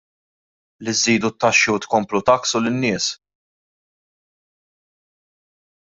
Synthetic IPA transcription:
liziːd̪ut̪ːɐʃːiwt̪kɔmplut̪ɐksʊlɪnːɪːs

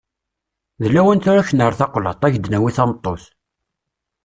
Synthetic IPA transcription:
ðəlːæwænt̪ʊɾæçənəɾθɑqlə̰t̪ˤːæʝəd̪næwiθɑmt̪ˤːoθ

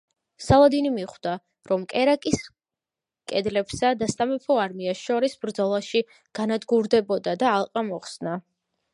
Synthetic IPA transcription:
salˠad̪inimiχd̪a | ɾɔmkʼɛɾakʼis | kʼɛd̪lɛpsad̪ast̪ʼamɛpʰɔaɾmiasʃɔɾisbɾd̪zɔlˠaʃi | ɡ̥anad̪ɡuɾd̪ɛbɔd̪ad̪aːlˠqʼamɔχsna

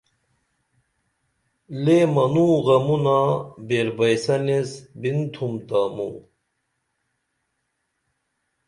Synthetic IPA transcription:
lemɐnuːɣɐmunabeɾbɐjsɐnesbint̪ʰumt̪aːmṵ

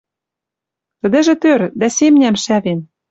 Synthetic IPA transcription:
t̪ə̆d̪ɘ̆ʒĕt̪ørd̪æsemnʲæmʃæβen

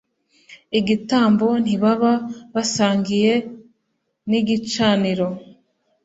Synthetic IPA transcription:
iɡitaːmbo̞n̥iβaβaβasaːŋɡije̞ | niɡit͡ʃaːniɾo̞

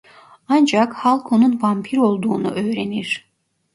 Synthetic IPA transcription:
ɑnd͡ʒakhɑlˠkʰo̞nunvampʰiɾo̞lˠd̪uːnṵʔø̞jɾeniɾ̥

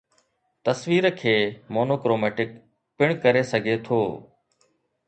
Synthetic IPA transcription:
t̪əsʋiːɾəkʰeːmoːnoːkɾoːmɛːʈɪk | pɪɳ̃kəɾeːsəɡʱeːt̪ʰoː

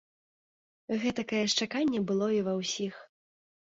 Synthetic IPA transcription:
ɣɛt̪ɐkajɛʂt͡ʂakanʲːɛbɨlˠɔivɐwsʲix

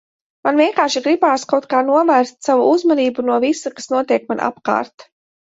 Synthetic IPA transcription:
manvʲiɛŋkaːɾʃiɡɾibaːskawt̪̚kaːnuɔvæːɾst̪savuʔuzmaniːbunuɔvisukḁsnuɔt̪iɛkmanʔa̰pka̰ːɾt̪

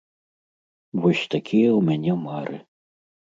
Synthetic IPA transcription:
vɔsʲt̪akʲʰijɐwmʲanʲɛmaɾʔɨ

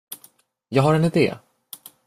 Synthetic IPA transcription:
jɑːɡɦaɾɛnɪd̪ḛː

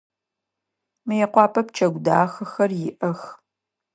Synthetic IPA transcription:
mɨjɛqʷɑːpʰɐp̚t͡ʃʰɐɡʷdaːxɐxɐrjɪʔɐx

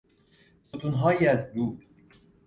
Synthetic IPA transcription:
sot̪ʰunɦɑːjiæzbuːd̪

